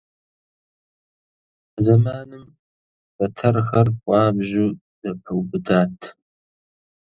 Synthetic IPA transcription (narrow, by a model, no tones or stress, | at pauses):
zɐmaːnɨm | bɐtʰɐrxɐrqʷʼɑːbʒu | d̥ɐpʰɨwbɨdaːtʰ